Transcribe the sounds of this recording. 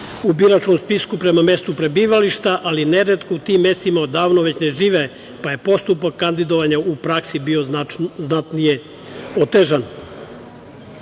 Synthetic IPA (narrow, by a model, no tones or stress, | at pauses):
ubiɾat͡ʃkomspiskupɾe̞mame̞st̪upɾe̞biːʋaliʃt̪aʔaline̞ɾet̪kout̪imːe̞st̪imaod̪aːʋnoʋe̞t͡ɕne̞ʒiːʋe | paje̞po̞st̪upakːand̪id̪oʋaɲaupɾaksibio̞znat̪nije | ot̪eʒan